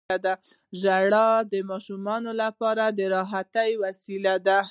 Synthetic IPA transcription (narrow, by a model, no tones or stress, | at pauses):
ad̪a | ʒaɽɑd̪əmɑʃumɑnolapɑɾad̪əɾɑɦat̪ajwasilad̪a